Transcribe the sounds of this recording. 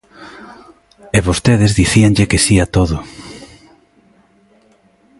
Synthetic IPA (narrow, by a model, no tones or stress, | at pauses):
eβost̪eðɪzðiθiaŋʎɪkesiat̪oðʊ